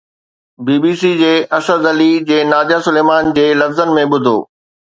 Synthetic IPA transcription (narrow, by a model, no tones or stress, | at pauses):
biːbiːsid͡ʑeːʔɐsəd̪ɐlid͡ʑeːnaːd͡ʑasʊleːmaːnd͡ʑeːlɐfzənɪ̆mẽɓʊd̪ʱo̰ː